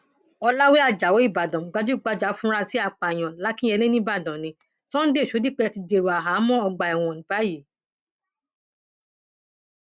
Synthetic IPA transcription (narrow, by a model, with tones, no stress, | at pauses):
ɔ˧la˦we˦a˨d͡ʒa˨wo˨˦i˦˨ba˨dɔ̃˨m̩˨˦ɡ͡ba˧d͡ʒu˦˨ɡ͡ba˧d͡ʒa˨˦fũ˦ɾa˧si˨˦a˦˨k͡pa˨j̃ɔ̃˨la˨˦kĩ˦ɛ˧le˦nĩ˦ba˦˨dɔ̃˨nĩ˧˦ | sɔ̃˦n̩˦de˦˨ʃo˨˦di˦k͡pɛ˧˨ti˧de˨ɾo˨a˨ɦa˨˦mɔ̃˦ɔ˧ɡ͡ba˧ɛ˨w̃ɔ̃˨nĩ˨˦ba˨˦ji˨